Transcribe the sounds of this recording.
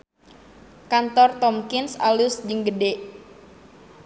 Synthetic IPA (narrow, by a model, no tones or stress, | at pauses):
kant̪ɔrt̪ɔmkɪnsa̰lusd͡ʒəŋɡədeʔ